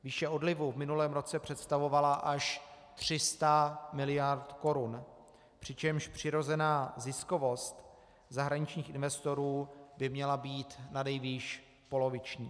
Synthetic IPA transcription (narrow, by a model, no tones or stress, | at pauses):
viːʃɛo̞dlɪvuvmɪnulɛːmɾo̞t͡sɛpr̝̥ɛt̪st̪avo̞valaʔaʃ | t̪r̝̥ɪst̪amɪlɪjaɾt̪ko̞ɾun | pr̝̥ɪt͡ʃɛmʃpr̝̥ɪɾo̞zɛnaːzɪsko̞vo̞st̪ | zaɦɾaɲɪt͡ʃɲiːxʔɪnvɛst̪o̞ɾuːbɪmɲɛlabiːt̪nadɛjviːʃ | po̞lo̞vɪt͡ʃɲiː